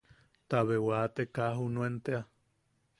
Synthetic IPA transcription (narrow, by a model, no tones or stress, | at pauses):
t̪aβewat̪ekaɦunuent̪ea